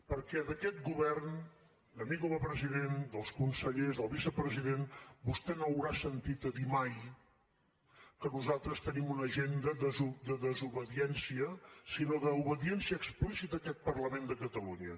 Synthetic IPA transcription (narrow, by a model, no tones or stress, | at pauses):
pəɾkɛðəkɛt̪̚ɡuβɛrn | d̪əmikoðəpɾəziðend̪əlˠskunsəʎezðəlˠβisəpɾəziðenbust̪ɛnoəwɾasənt̪it̪əðimaj | kənuzalˠt̪ɾəst̪ənimunəʒend̪əd̪əzud̪əðəzuβəðiɛnsiəsinoðəuβəðiɛnsiəksplisit̪əkɛt̪̚pərləmend̪əkət̪əluɲə